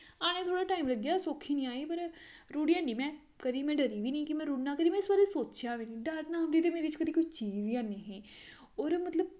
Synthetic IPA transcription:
aːɽ̃ẽːt̪ʰoːɽaːʈaːimləɡjaːsoːkʰːiːnĩːaːiːpəɾ | ɾuːɽiãːɳɖiːmɛ̃ː | kəd̪iːmɛ̃ːɖəɾiːʋiːnĩːkɪmɛ̃ːɾuːɽnãːkəɾiːmɛ̃ɪsbaːɾeːsoːt͡ʃjaːʋiːnĩːɖaɾnaːmɾiːt̪eːmeːɾeɪt͡ʃkəd̪iːkʊt͡ʃt͡ʃiːziːãːneɦẽː | ɔːɾmət̪ləb̚

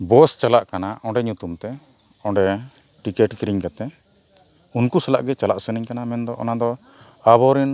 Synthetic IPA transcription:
bɔst͡ʃalaʔkanaʔɔɖɛɲut̪umt̪ɛ | ɔ̃ɳɖɛ | ʈikɛʈkiɾiɲkat̪ɛ | unkusala̰ʔɡɛt͡ʃalaʔsəniɲkanamɛnd̪ɔʔɔ̰nad̪ɔ | abɔɾin

